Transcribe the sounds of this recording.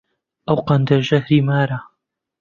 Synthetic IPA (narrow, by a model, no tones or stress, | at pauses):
ʔɐwqɐnd̪ɐɾʒɐɦɾiːmaːɾa